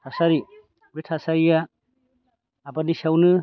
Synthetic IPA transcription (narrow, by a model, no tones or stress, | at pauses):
tʰasaɾi | bɾitʰasaɾija | banisawnɯ